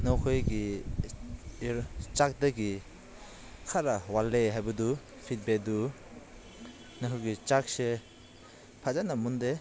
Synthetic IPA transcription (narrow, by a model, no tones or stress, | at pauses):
nɔwkʰɔjɡi | ɾt͡ʃak̚daɡi | kʰaɾawalːeɦajbadu | pʰit̚bedu | naɦɯɡit͡ʃak̚se | pʰazanamunde